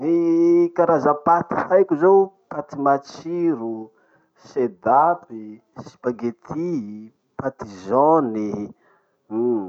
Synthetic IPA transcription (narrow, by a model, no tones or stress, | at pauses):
nikaɾazəpat̪i̥fajkʲuzow | pat̪imat͡ʃiɾu | sed̪ap̚i | si̥paɡet̪ʰi | pat̪izɔni